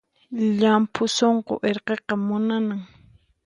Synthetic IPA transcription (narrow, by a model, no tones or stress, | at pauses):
ʎampʰʊsoɴqoʔeɾqeqɑmʊnanaŋ